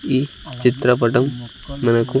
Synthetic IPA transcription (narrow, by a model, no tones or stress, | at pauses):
it͡ʃit̪ɾɐpɐʈɐmːɐnɐku